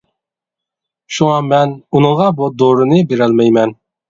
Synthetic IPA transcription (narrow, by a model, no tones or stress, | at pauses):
ʃuŋɑmɛnunɨŋʁɑbud̪oɾɨnɨbeɾɛlmɛjmɛn